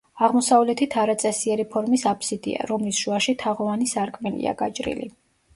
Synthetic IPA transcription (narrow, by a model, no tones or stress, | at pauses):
aʁmɔsavlɛt̪ʰit̪ʰaɾat̪sʼɛsiɛɾipʰɔɾmisapʰsid̪ḭa̰ɾɔmlisʒ̥uaʃit̪ʰaʁɔvanisaɾkʼmɛlḭa̰ɡat͡ʃʼɾḭlḭ